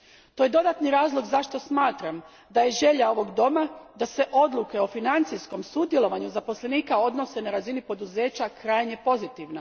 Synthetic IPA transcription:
t̪o̞je̞d̪o̞d̪at̪niɾaːzlˠo̞ɡzaʃt̪o̞smaːt̪ɾam | d̪aje̞ʒe̞ʎao̞ʋo̞ɡd̪o̞mad̪ase̞ʔo̞d̪lˠuke̞o̞finant̪sijsko̞msud̪jelˠo̞ʋaɲuzapo̞slˠe̞niːkao̞d̪no̞se̞naɾazinipo̞d̪uze̞ːt͡ɕakɾajɲe̞po̞zit̪iʋna

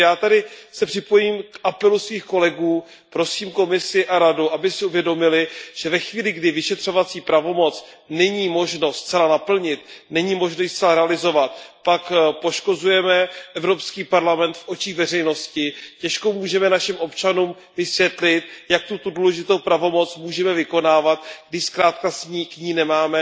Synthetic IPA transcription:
jaːt̪adɪsɛpr̥ɪpo̞jiːmkʔapɛlusviːxko̞lɛɡuː | pɾo̞siːmko̞mɪsɪʔaɾaduʔabɪsɪuvjɛdo̞mɪlɪʒ̥ɛvɛxviːlɪɡdɪvɪʃɛt̪r̝̥o̞vat͡siːpɾavo̞mo̞t͡s | nɛɲiːmo̞ʒno̞st͡sɛlanapl̩ɲɪt̪nɛɲiːmo̞ʒnojst͡sɛlaɾɛalɪzo̞vat̪̚pakpo̞ʃko̞zujɛmɛʔɛvɾo̞pskiːpaɾlamɛnt̪fʔo̞t͡ʃiːɣvɛrɛjno̞scɪcɛʃkomuːʒɛmɛnaʃɪmʔo̞pt͡ʃanuːm | vɪsvjɛt̪lɪt̪jak̚t̪ut̪uduːlɛʒɪt̪owpɾavo̞mo̞t͡smuːʒɛmɛvɪko̞naːvat̪̚ɡdɪʃskɾaːt̪kasɲiːkɲiːnɛmaːmɛ

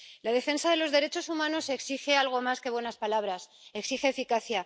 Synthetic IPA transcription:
laðe̞fe̞nsaðe̞lo̞zðe̞ɾet͡ʃo̞sumãno̞se̞ksixe̞alɣ̞o̞maske̞βwe̞naspalaβɾas | eksixe̞ːfikaθja

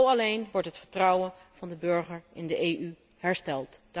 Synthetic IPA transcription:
wɑlejnʋɔɹtɦətfəɹtrʌwənv̥ɑndəbɵɹχəɹɪndəʔejʔy | hɛɹstɛlˠtd̥

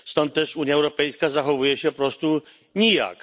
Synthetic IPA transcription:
st̪ɔnt̪̚ːɛʂuɲjaɛwɾɔpɛjskazaxɔvujɛɕɛpɾɔst̪u | ɲija̰k

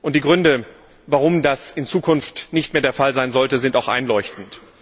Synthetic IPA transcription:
ʔʊnt̚d̥iːɡʁʏndə | vaʁʊmdasɪnt͡suːkʰʊnftnɪçtmeːɐdeːɐfalzaɪnzɔltəzɪntaʊxʔa̰ɪnlɔʏçtn̩t

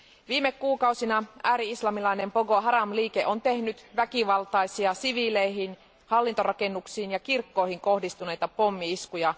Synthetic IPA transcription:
ʋiːmekːuːkɑusinɑæːɾiislɑmilɑine̞mpoɡo̞ɦɑɾɑmliːkeʔo̞nt̪e̞hnyt̪ʋækiʋɑlt̪ɑjsiɑsiʋileiɦin | hɑlːint̪o̞ɾɑke̞nːuksiːnjɑkirkːo̞ihiŋko̞hdist̪une̞jt̪ɑpo̞mːiiskujɑ

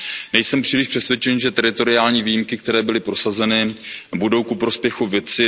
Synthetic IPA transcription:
nɛjsɛmpr̝̥iːlɪʃpr̥ɛsvjɛt͡ʃɛnʒɛt̪ɛɾɪt̪o̞ɾɪaːlɲiːviːjimkɪkt̪ɛɾɛːbɪlɪpɾo̞sazɛnɪbudo̞wkupɾo̞spjɛxuvjɛt͡sɪ

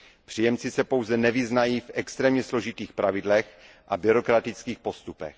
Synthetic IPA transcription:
pr̥ijɛmt͡sɪsɛpo̞wzɛnɛvɪznajiːfʔɛkst̪ɾɛːmɲɛslo̞ʒɪt̪iːxpɾʔavɪdlɛx | ʔabɪɾo̞kɾat̪ɪt͡skiːxpo̞st̪upɛ̰x

